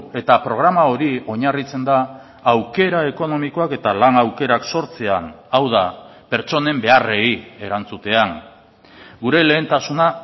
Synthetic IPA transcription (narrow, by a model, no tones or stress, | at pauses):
e̞t̪apɾo̞ɣ̞ɾamao̞ɾio̞ɲarit͡se̞nd̪aː | wke̞ɾae̞ko̞no̞miko̞ake̞t̪alanawke̞ɾakso̞ɾt͡se̞anawðape̞ɾt͡ʃo̞ne̞mbe̞are̞ie̞ɾant͡sut̪e̞aŋ | ɡuɾe̞le̞ːnt̪asuna